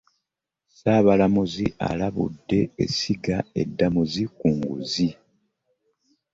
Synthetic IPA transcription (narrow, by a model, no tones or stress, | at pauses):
saːβalamuzia̰laβṵdːe̞ḛsiɡae̞̰dːamuzikuŋɡṵzi